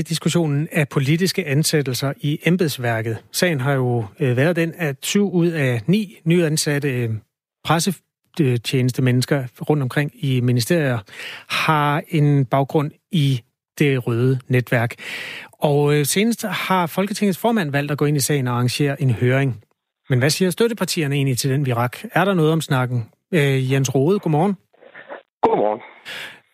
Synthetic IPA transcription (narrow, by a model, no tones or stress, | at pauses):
d̥isɡ̥uɕo̝̰ːnn̩æpʰo̝lidisɡ̥əʔænsed̥l̩sɐʔiemb̥eðˠsʋæɐɡ̥ð̩ˠsɛ̰ɪn̩ɦɑ̈jo̝ʋæːɐð̞ˠd̥enæsyʊuð̞̰ˠænḭːnyːænsæɾə | pʰʁasə | t͡ɕʰeːnəsd̥əmenəsɡ̥ɐʁɔ̽n̰d̥ɒ̽mkʰʁeŋ̰iminisd̥e̝ɐ̰jðhɑ̈e̝nb̥ɑ̈ʊɡ̥ʁɔ̽n̰ | i | d̥e̝ʁœːð̞ˠəned̥ʋæɐɡ̥ɒ̽ʊse̝ːnəsd̥hɑ̈fɒ̽lɡ̥ət͡sʰeŋð̩ˠsfɒːmæn̰ʋæl̰d̥æɡ̥ɔ̰̽e̝nisɛ̰ɪn̩ɒɑɑ̈ŋɕe̝̰ːɐʔe̝nhøːɐʁeŋ | menʋæsiːɐsd̥øɾəpʰɑ̈t͡sʰḭːɐnəe̝̰ːnlit͡sʰe̝ld̥enʋiʁɑ̈ɡ̥æɐɾɑ̈nɔ̽ːð̞̩ˠɒ̽msnɑ̈ɡ̥n̩ | jens̬ʁo̝ːð̞̩ˠɡ̥omɒːn̩ | ɡ̥omɒn